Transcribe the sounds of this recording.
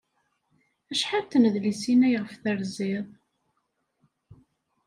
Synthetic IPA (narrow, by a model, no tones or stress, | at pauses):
æʃħaɾt̪nəðlisinæjʁəfθəɾziðˤ